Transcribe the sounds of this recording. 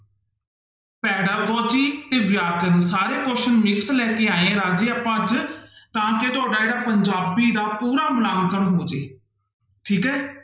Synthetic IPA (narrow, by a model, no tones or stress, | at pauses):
pɛːɽaːɡɔːd͡ʒiːt̪eːʋjaːkənːsaːɾeːkɔːʃənmɪkslɛːkeːaːeẽːlaːd͡ʒeːapãːd͡ʒt̪ãːket̪ʊaːɖaːeːɽaːpəɲd͡ʒaːbiːd̪aːpuːɾaːmlãːŋkənɦoːd͡ʒḛː | ʈʰiːkɦɛː